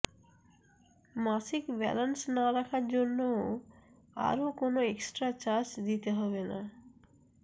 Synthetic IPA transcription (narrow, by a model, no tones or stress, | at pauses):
masikbɛ̰lansnaɾakʰaɾd͡ʑonːo | a̰ɾokonoeksʈɾat͡ɕaɾd͡ʑd̪it̪eɦɔbena